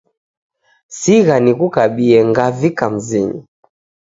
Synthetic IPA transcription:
siɣanikukaɓiɛŋɡavikam̩zinḭ

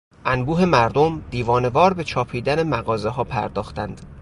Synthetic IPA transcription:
ʔænbuːɦe̞mæɾd̪omd̪̥iːvɒːne̞vɒːɾbe̞t͡ʃʰɒːpʰiːd̪æne̞mæɣɒːze̞ɦɒːpʰæ̰ɾd̪ɒːxt̪ænd̪̥

